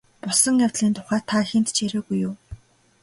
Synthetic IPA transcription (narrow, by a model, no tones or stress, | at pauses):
pʊsɞ̆ŋjawt̪ɮiːnt̪ʰʊ̥χæːt̪ʰaxent̪t͡ɕeɾʲoːɣujːʊː